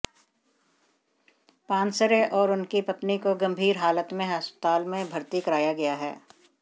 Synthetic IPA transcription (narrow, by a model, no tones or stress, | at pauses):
pãːnsəɾeʔɔːɾʊnkipɐt̪nikoɡɐ̃mbʱiːɾɦaːlət̪mẽɦəspə̥t̪aːlmẽbʱɐɾt̪ikɐɾaːjaɡɐjaɦɛ̰ː